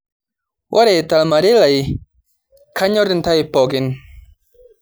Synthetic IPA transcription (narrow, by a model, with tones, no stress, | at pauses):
wʔa˦ɾɛ˨t̪a˨lma˨ɾi˦la˨j | kʰa˦ɲɔ˦ɾi˦nt̪a˦jpɔ˨ɡi˨˦n